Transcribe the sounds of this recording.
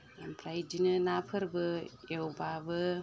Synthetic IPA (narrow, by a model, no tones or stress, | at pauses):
jampʰɾajdinɯnapʰɯɾbɯjewbabɯ